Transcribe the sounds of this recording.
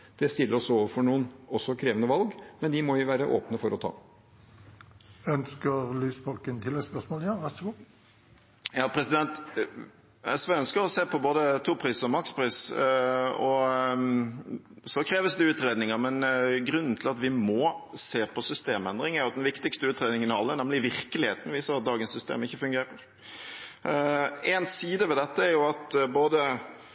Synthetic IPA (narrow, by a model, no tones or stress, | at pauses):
d̪̥ɛst̪ɪlːəɾɔsoːʋəɾfɔɳuːənɔsːɔkʰɾeːʋənəʋɑlɡmɛndɪmɔjɪʋæːɾəʔo̰ːpnəfɔɾʔɔt̪ʰɑ̰ː | œnskəʁlyːsfɔlkənt̪ʰɪlɛspœsmoːljɑʋæsʊɡuː | jɑːpʰɾɛsɪd̪ɛnt̪ | ɛ̰sʋɛœnskəɾɔseːpʰɔboːd̪ət̪ʰuːpʰɾiːsɔmɑkspʰɾiːs | ɔ | sɔkʰɾeːʋəsd̪ɛʉːt̪ɾeːd̪nɪŋəɾmɛnɡɾʉnːn̩t̪ʰɪlɑt̪ʋɪmɔːseːpʰɔsʏst̪eːmɛnd̪ɾɪŋæɾjʊɑt̪d̪ɛnʋɪkt̪ɪkst̪əʉːt̪ɾeːd̪ɪŋənɑ̰lːənɛmlɪʋɪɾkəlɪheːt̪n̩ʋiːsəɾɑt̪̚d̪ɑːɡənsʏst̪ḛːmɪçːəfʉŋɡeːɾəɾ | eːnsiːd̪əʋɛd̪ɛt̪ːəæɾjʊɑt̪boːd̪ə